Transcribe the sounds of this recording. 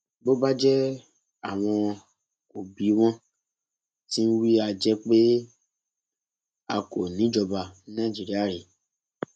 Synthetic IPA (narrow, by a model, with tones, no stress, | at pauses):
bo˦ba˦d͡ʒɛ˦ | a˨w̃ɔ̃˧ | o˨bi˨˦w̃ɔ̃˦ | ti˦n̩˦wi˦a˧d͡ʒɛ˦k͡pe˦ | a̰˨ko˨nĩ˨˦d͡ʒɔ˧ba˧˨˦nã˦˨˦d͡ʒi˦ɾi˦a˦˨ɾe˨